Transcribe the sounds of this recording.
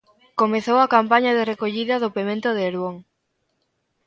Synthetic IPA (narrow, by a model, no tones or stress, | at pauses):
komeθowɐkampaɲɐðerekoʎiðɐðopemẽnt̪ʊðeːɾβoŋ